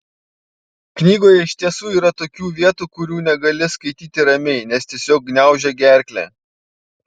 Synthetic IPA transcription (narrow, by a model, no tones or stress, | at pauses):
knʲiːɡoːjɛɪʃʲt̪ʲiɛsuːiːɾɐt̪oːkʲuːʋʲiɛt̪uːkʊɾʲuːnʲɛɡɐlʲɪskɐɪt̪ʲiːt̪ʲɪɾɐmʲɛɪnʲɛst̪ʲiɛsʲoːk̚ɡnʲæˑʊʒʲɛɡʲæˑɾʲklʲæ̰ː